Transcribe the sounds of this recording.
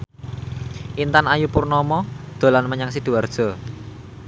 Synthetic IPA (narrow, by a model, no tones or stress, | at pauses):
ʔint̪anajupurnɔmɔd̪̥o̤lanməɲaŋsid̪̥ṳard̥ʒ̥ɔ̤